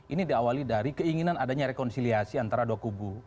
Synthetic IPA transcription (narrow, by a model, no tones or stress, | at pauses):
ʔinidiawalidaɾikəiŋinanadaɲaɾekɔnsiliasiant̪aɾaduakubu